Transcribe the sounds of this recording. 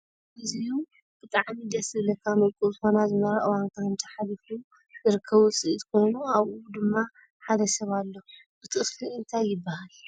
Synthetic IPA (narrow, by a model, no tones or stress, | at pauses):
ʔɨziju | b̥ɨt̪ʼaʕmid̪ɐsɨlɐkʰːamɨlkʼuzɨxo̞nazɨmɐɾaʔɨwankʰaɨnt̪ʰɐ̥ħalifu | zɨɾɨkʰːɐβut͡sʼɨʔt̪ʰko̞jnuaβud̪ɨmːa | ħad̪ɐsɐβalːobɨt̪ʰɨsluɨnt̪ʰajːɪbːahal